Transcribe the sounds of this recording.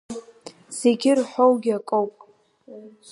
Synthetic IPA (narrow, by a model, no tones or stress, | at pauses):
z̥e̞ɡʲɪrħʷowɡʲakʼowpʼ